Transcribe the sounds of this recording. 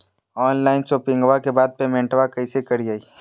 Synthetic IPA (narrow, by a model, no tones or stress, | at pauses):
ɔːnlaːɪnsoːpɪ̃ŋɡʋakebaːd̪̚pemɛ̃ɳʈʋakɐisekɐɾiaːiː